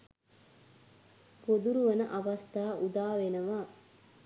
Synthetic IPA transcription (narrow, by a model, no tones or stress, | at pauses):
pod̪uɾuʋɐnəʔaʋɐst̪aːʔud̪aːʋenəʋaː